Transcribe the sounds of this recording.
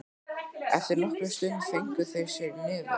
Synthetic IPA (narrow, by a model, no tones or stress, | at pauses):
ɛ̰ft̪ɪɾnɔhkɾɛst̪ʏnθejŋ̥kʏθejɾsjɛɾnɪːva